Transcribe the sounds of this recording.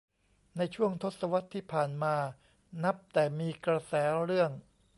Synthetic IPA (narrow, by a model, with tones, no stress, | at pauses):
na˧jt͡ɕʰu˥˩əŋt̪ʰo˦˥t̪̚sa˧wa˦˥t̪ʰːiː˥˩pʰaː˨˩nmaː˧ | na˦˥p̚t̪ɛː˨˩miː˧kɾa˧sɛː˩˦˥ɾɯ˥˩əŋ